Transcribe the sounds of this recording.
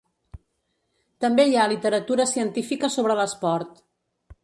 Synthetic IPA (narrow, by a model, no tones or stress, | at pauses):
t̪əmbeialit̪əɾət̪uɾəsiənt̪ifikəsoβɾələspɔɾt̪